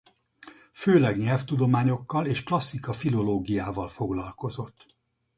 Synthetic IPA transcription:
føːlɛɡɲɛlft̪ud̪o̞maːɲo̞kːɒleːʃklɒsːikɒfilo̞loːɡijaːvɒlfo̞ɡlɒlko̞zo̞t̪ː

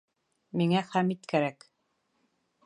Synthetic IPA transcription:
miŋæχæmit̪kæɾæk

